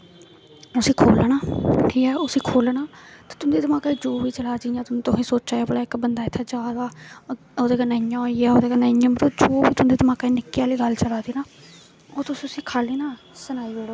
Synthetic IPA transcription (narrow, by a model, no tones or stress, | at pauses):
ʊsiːkʰoːlnaːʈʰiːkɛːʊsĩːkʰoːlnaːt̪eːt̪ʊnd̪iːd̪əmãːkaːid͡ʒoːʋiːt͡ʃəlaːd͡ʒijãːt̪ʊnũːt̪ʊɦĩːsoːt͡ʃaːjaːbəlaːɪkbənd̪aːɪt̪ʰːaːd͡ʒaːd̪aː | oːd̪eːɡaːnaːjãːiːaːoːd̪eːɡaːnaːə̃ːmət̪od͡ʒoːbiːt̪ʊnd̪iːd̪əmãːkaːinɪkːijaːliːɡəlt͡ʃəlaːd̪iːnaː | oːt̪ʊsiːʊsiːkʰaːliːnaː | sənaːiːoɽoː